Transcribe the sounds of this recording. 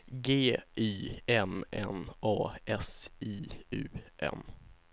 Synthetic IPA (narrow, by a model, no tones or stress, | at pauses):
ɡeːʔiːɛnʔɛ̰nɑːɛsiːʉ̟̰ːʔɛ̰n